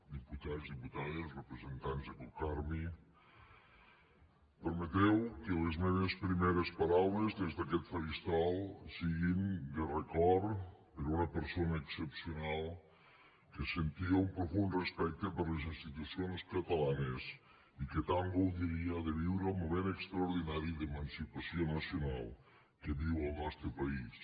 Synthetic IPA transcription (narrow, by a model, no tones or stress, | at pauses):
d̪iput̪azðiput̪aðesrəpɾəzent̪anzðəkukaɾmi | pəɾmət̪ɛwkəlezmeβespɾimeɾəspaɾawləzðezðəkɛt̪foʒist̪ɾalˠsiɣind̪ərəkɔrpəɾunəpəɾsonəːksəpsiunalˠ | kəsent̪iaumpɾofunrespɛk̚t̪əpəɾlezinst̪it̪usionskət̪alanes | ikət̪aŋɡowðiɾiaðəβiwɾalmomenəkst̪ɾɐuɾðinaɾiðemənsipasionəsiunalˠ | kəβiwəlˠnast̪ɾəpɐis